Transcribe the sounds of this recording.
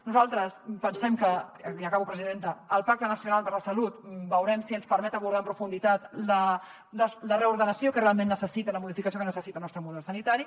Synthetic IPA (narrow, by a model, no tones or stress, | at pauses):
nuzalˠt̪ɾəspənsɛmkəiəkaβupɾəziðent̪əəlˠpak̚t̪ənəsiunalˠpəɾləsəlut̪bəwɾɛmsiənspəɾmɛt̪əβuɾð̞aəmpɾufund̪it̪at̪lə | lələrəuɾðənəsjokərealˠmẽnːəsəsit̪ələmuðifikəsiokənəsəsit̪əlˠnɔst̪ɾəmuðɛlˠsənit̪aɾi